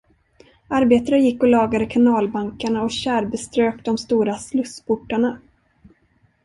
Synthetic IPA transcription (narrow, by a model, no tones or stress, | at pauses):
aɾbeːt̪aɾəjɪkːɔlɑːɡad̪əkʰanɑːlbaŋkaɳaɔɕæːɾbɛst̪ɾøːkd̪ɔmst̪uːɾaslɵspʰʊʈːaɳa